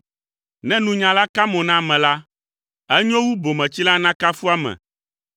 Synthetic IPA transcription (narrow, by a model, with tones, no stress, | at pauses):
nɛ̃˦nũ˨ɲã˨la˦ka˦mɔ̃˨nã˦˨mɛ̃˨la˦ | ɛ˦ɲɔ̃˦wu˦bo˨mɛ̃˨t͡ɕi˦la˦nã˦ka˦fu˦a˦mɛ̰̃˨